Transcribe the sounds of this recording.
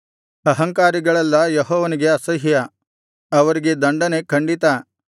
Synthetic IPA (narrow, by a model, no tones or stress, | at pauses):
ɐɦɐŋkaːɾiɡɐɭɐlːɐjɐɦɔːʋɐniɡe̞ɐsɐɦjɐ | ɐʋɐɾiɡe̞d̪ɐɳɖɐne̞kʰɐɳɖit̪ɐ